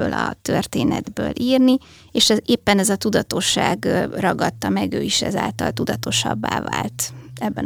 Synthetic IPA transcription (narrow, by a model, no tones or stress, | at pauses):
øːlɒt̪ørt̪eːnɛ̰d̪bøːlʔiːrni | eːʃɛeːpːɛnɛzɒt̪ud̪ɒt̪o̞ʃːaːɡrɒɡɒt̪ːɒmɛɡøːiʃɛ̰zaːlt̪ɒlt̪ud̪ɒt̪oʃɒbːaːvaːlt̪ɛbːɛn